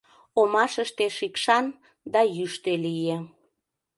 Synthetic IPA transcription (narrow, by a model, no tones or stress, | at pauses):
omɑʃəʃt̪eʃikʃɑn | d̪ɑjyʃt̪elije